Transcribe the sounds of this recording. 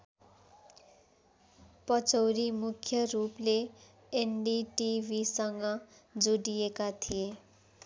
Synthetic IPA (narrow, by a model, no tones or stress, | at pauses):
pʌt͡sʌwɾimukʰjʌrupleː | nɖiʈibʱisʌŋɡʌ | d͡zuɽijekat̪ʰije